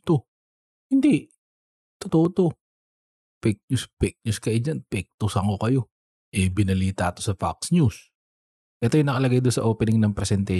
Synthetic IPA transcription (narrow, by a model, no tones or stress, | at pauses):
t̪o | hɪnd̪i | t̪ot̪oʔot̪o̞ | pɛk̚ɲuspɛk̚ɲuskɐjed͡ʒanpɛk̚t̪ʊsɐŋo̞kɐjo̞ | ʔɛbɪnɐliːt̪ɐʔɐt̪o̞sɐfa̰k̚sɲus | ʔɛt̪ojʊnɐkɐlɐɡajd̪ʊnsɐʔoːpɛnɪŋnɐŋpɾɛsɛnt̪ɛ